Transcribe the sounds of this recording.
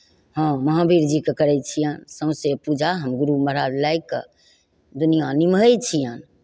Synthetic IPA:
hɔ̃məɦə̃biɾd͡ʒikekəɾɛt͡ʃʰijansə̃ʊ̃sepud͡ʒʱaɦəmɡuɾuməɾalajkːə̰ | d̪unijanimɦəjt͡ʃʰijan

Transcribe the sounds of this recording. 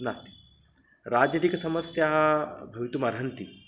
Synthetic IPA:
nast̪i̥ | ɾaːd͡ʒnet̪ikɐsɐmɐsjaɦɐbʱɐʋit̪umɐɾɦɐnt̪i

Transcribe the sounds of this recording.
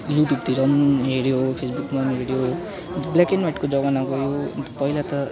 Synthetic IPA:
luʈip̚t̪iɾʌnɦeɽjopʰesbukmamɦeɽjo | blakenwaʈkod͡zʌβanakojopʌɦilat̪ʌ

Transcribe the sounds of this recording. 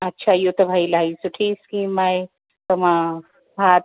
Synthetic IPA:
ɐtːʃʰajut̪ɐbʱailaːisuʈʰiːskimaj | kɐmã | baː

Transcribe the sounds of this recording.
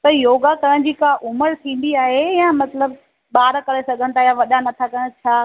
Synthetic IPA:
t̪ɐjoːɡakɐɾəɽ̃d͡ʑiːkaʔʊməɾt̪ʰĩːn̆d̪iaːɦejãmɐt̪ləb | ɓaːɾkɐɾesɐɡʱəɽ̃ɪ̆t̪ʰaːijãʋɐɗanɐt̪ʰakɐɽ̃t͡ɕʰaː

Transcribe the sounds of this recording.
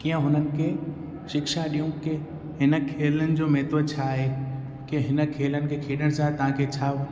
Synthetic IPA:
kiːə̃ɦʊnənɪ̆kʰeː | ʃɪkʃaɗijũkɪ | ɦɪnə̆kʰeːlənɪ̆d͡ʑoːmeːt̪ʋət͡ɕʰaːɦe | kɪɦɪnə̆kʰeːlənɪ̆kʰeːkʰeːɗəɽ̃sãt̪ɐʋ̤ãkʰet͡ɕʰaː

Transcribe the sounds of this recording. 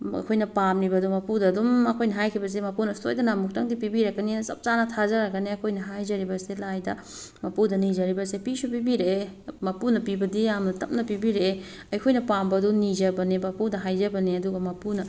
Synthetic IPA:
ɐ̰kʰojnɐpamnibɐdumɐpudɐːdumɐkʰojnɐɦajkʰibɐs̬emɐpunɐstojdɐnamuk̚tɐŋdipibiɾɐkːɐninɐsɐ̰p̚t͡ʃanɐtʰazɐɾɐkːɐneɐkʰojnɐɦajzɐɾibɐselajdɐ | mɐpudɐnizɐɾibɐsepisupibiɾeemɐpunɐpibɐdijamnɐtɐp̚nɐpibiɾee | ɐjkʰojnɐpambɐdunizɐbɐnemɐpudɐɦajzɐbɐneɐduɡɐmɐpunɐ

